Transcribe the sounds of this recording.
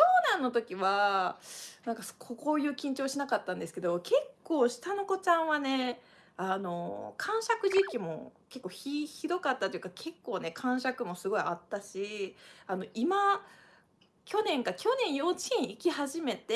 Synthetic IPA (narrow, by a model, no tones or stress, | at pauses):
toːnãnːo̞t̪o̞kʲiβa | nãŋkaskʰokoːjɯ̟ːkʲĩɲ̟t͡ɕo̞ːɕinakat̪ːãnd̪e̞sɨ̥ke̞d̪o̞kʰe̞kːo̞ːɕi̥t̪ano̞ko̞t͡ɕãɰ̃βane̞ | ano̞̰kʰãɰ̃ɕakɯ̟ʑikʲimo̞̰ke̞kːo̞ːçiçiɾo̞kat̪ːat̪oiɯ̟kakʰe̞kːo̞ːne̞kʰãɰ̃ɕakɯ̟mo̞sɨɡo̞iat̪ːaɕiano̞ʔima | kʲo̞nẽ̞ŋkakʲo̞nẽ̞ɰ̃jo̞ːt͡ɕĩɰ̃ikʲihaʑime̞t̪e